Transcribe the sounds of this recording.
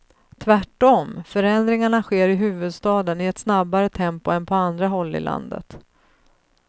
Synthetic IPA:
t̪ʰvæʈːɔmfœɾɛnd̪ɾɪŋaɳaɧeːɾɪɦʉ̟ːvɵd̪st̪ɑːd̪ənɪɛt̪snabːaɾət̪ʰɛmpʊɛnpʰɔand̪ɾaɦɔlːɪ̰lʔa̰nd̪ə̰t̪

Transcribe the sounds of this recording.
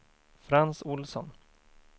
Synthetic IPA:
fɾansʊlsɔn

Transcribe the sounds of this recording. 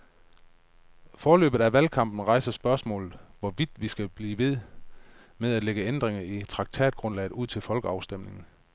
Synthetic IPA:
fɒːlø̰ːb̥ð̩ˠæʋælkʰɑ̈m̰b̥n̩ʁɑ̈ɪsɐsb̥ɶɐsmɔ̰̽ːlð̩ˠʋɒʋid̥ʋisɡ̥æb̥liːʋe̝ð̞̰ˠ | meðˠæd̥leɡ̥əend̥ʁeŋɐit͡sʰʁɑ̈ɡ̥̚t͡sʰɛ̰ːd̥̚ɡ̥ʁɔ̽nlɛ̰ɪð̩ˠuð̰ˠt͡sʰe̝lfɒ̽lɡ̥əɑ̈ʊsd̥em̰ne̝ŋn̩

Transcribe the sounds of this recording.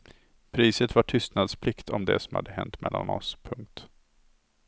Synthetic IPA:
pʰɾiːsət̪vaʈʰʏst̪nad̪spʰlɪkt̪ʰɔmd̪ɛ̰sɔmha̰d̪ːəɦɛnt̪mɛlːanɔspʰɵŋk̚t̪

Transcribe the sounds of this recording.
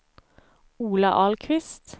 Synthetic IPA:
uːlɑ̰ʔɑlkʰʋɪst̪

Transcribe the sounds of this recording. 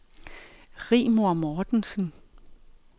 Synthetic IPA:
ʁḭːmoɐmɒːd̥nsən

